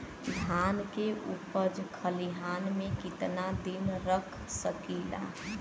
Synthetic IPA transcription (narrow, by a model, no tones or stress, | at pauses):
d̪ʱaːnkeʔṵpəd͡ʒkʰəliɦaːnmẽkɪt̪nad̪inɾəkʰsəkila̰ː